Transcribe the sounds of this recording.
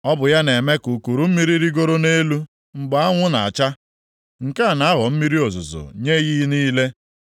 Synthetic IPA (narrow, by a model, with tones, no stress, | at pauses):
ɔ˦bʊ˨ja˦ne˨me˦ku˨ku˨ɾu˨m̩˦mi˦ɾi˦ɾi˦ɡo˦ɾo˦ne˦lu˦ | ŋ͡m̩˨ɡ͡ba˨a˦ŋʷʊ˦na˨a˨t͡ʃa˦ | ŋ̩˨ka˦˨na˨˦a˦ɣɔ˨m̩˦mi˦ɾi˦o˨zʊ̰˨zʊ̰˨ɲe˦ɣi˦niː˦le˦